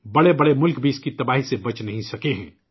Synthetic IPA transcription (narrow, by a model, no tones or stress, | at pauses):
bɐɽebɐɽemʊlkbʱiɪskit̪ɐbaːɦisebɐt͡ʃnɐɦĩsɐkeɦɛ̰̃ː